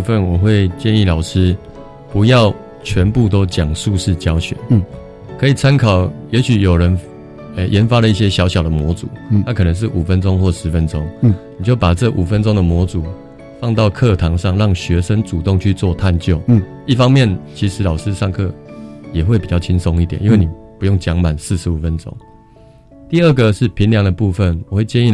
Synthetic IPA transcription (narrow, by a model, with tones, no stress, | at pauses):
u˥˧fə˥˨nwɔ˨˩xwe˥˧ɪt͡ɕjɛ˥˧ni˥˩lɑ˨˩ʊʂɹ̩˦˥ | pu˧˥jɑ˥˨ʊ | t͡ɕʰɥɛ˧˦npu˥˧˨t̪o˦ʊt͡ɕjɑ˨˩ŋʂu˥˧ʂɻ̩˥˩t͡ɕjɑ˥ʊɕɥɛ̰˨˦n | kʰɤ˧˦i˨˩t͡sʰa˦nkʰɑ˨˩ʊjɛ˧˥ɕy˨˩jo˨˩ʊɻə˧˦n | ə˨˩jɛ˧˦nfa˥lə˨i˥˩ɕ̬jɛ˦ɕjɑ˧˥ʊɕjɑ˨˩ʊd̪ə˩mwɔ˧˥t͡su˨˦a˥˧kʰɤ˨˩nə˧˦ŋʂ̬ɻ̩˥˩ʔu˨˩fə˦nʈ͡ʂo˦ŋxwɔ˥˩ʂɻ̩˧˦fə˦nʈ͡ʂo˥˦ŋni˨˩t͡ɕjo˥˩ʊpa˨˩t͡sɤ˥˩ʔu˨˩fə˦nʈ͡ʂo˥ŋd̪ə˨mwɔ˧˥t͡su˨˩˦ | fɑ˥˧ŋt̪ɑ˥˨ʊkʰɤ˥˧t̪ʰɑ˧˥ŋʂɑ˥˨˧ŋɻɑ˥˩ŋɕɥɛ˧˥ʂə˦ŋt͡su˨˩t̪ʊ˥˧ŋt͡ɕʰy˥˧t͡swɔ˥˧t̪ʰa˥˧nt͡ɕjo˥˩ʊ | i˥˩fɑ˦ŋmjɛ˥˨˩nt͡ɕʰi˧˥ʂɻ̩˧˥lɑ˨˩ʊʂɻ̩˥˦ʂɑ˥˧ŋkʰɤ˥˩jɛ˨˩xwe˥˩ɪpi˨˩t͡ɕjɑ˥˩ʊt͡ɕʰi˦˥ŋso˦ŋi˥˩t̪jnʔi˦nwe˥˩ni˨˩pu˧˦jo˥˩ŋt͡ɕjɑ˧˥ŋma˨˩ns̩˥˩ʂɻ̩˧˥u˨˩fə˦nʈ͡ʂo̰˥ŋ | t̪i˥˧ə˥˩ɡə˨ʂɻ̩˥˩pʰi˧˥nljɑ˧˥ŋd̪ə˨pu˥˧fə˨nwɔ˨˩we˥˩ɪt͡ɕjɛ˥˧ni˥˩